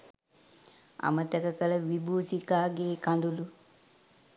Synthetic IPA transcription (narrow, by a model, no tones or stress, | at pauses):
a̰mət̪əkəkələʋibuːsikaːɡeːkãnd̪ulu